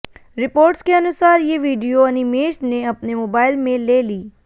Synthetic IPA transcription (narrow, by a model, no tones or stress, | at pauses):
ɾɪpoːɾʈskeɐnʊsaːɾjeʋiːɖijoɐnimeːʃneɐpnemoːbaːɪlmẽleːliː